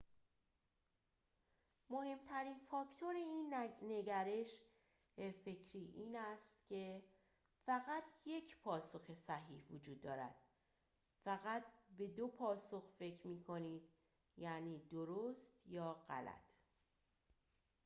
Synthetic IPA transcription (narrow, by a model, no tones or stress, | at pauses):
mo̞he̞mt̪ʰæɾiːnfɒːct̪ʰoɾe̞iːnne̞ɟæɾe̞ʃ | befe̞cʰɾiːʔiːnæst̪cʰe̞ | fæɣæt̪ʰje̞cʰpʰɒːso̞xe̞sæɦiːhvod͡ʒuːd̪̚ːɒːɾæ̰d̪̥ | fæɣæt̪̚be̞d̪o̞pʰɒːso̞xfe̞cʰɾmiːkʰo̞niːd̪̥ | jæniːd̪o̞ɾost̪jɒːɢæ̰læ̰t̪ʰ